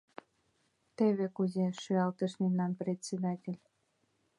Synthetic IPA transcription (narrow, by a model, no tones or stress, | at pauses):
t̪eβekuzeʃyɑlt̪əʃmemnɑnpɾʲet̪ʲsʲed̪ɑtʲelʲ